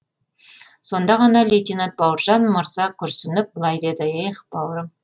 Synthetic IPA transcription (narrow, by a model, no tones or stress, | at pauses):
so̞nd̪ɑʁɑnɑlʲejt̪ʲinɑnt̪̚bɑwɾʒɑnməɾzɑkʲʰʏɾsʏnɪp̚bəlˠɑjd̪e̞d̪ɪeχb̥ɑwɾə